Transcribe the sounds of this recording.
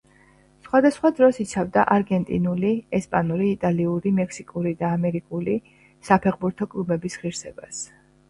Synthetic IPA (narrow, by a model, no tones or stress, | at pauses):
sχwad̪asχwad̪ɾɔsit̪sʰavd̪aʔaɾɡɛnt̪ʼḭnuliɛspʼanuɾiːt̪ʼaliuɾimɛksikʼuɾid̪aːmɛɾikʼuli | sapʰɛʁbuɾt̪ʰɔkʼlˠubɛbisʁiɾsɛbas